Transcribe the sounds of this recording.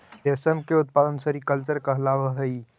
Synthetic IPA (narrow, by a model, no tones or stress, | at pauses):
d̪esəmkeut̪̚pad̪ənsəɾikəlt͡ʃəɾkəɦlaʋəɦəi